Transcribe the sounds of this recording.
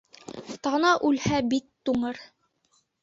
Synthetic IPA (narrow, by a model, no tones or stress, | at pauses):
t̪ɑnɑʔʉlhæbit̪ːuɴɤɾ